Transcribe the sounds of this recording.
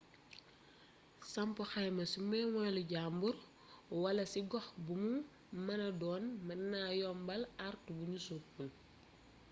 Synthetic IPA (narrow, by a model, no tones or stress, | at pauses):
sɐmpɐxɐjmɐsimɛmɔluɟambur | wɐlɐsiɡɔxbumu | mɐnɐdɔːnmɐnaːjɔmbɐlartubuɲusupun